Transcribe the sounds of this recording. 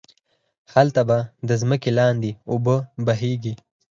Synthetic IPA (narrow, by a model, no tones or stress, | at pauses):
xalt̪abad̪əzməkelɑːnd̪iʊbəbaɦeɡi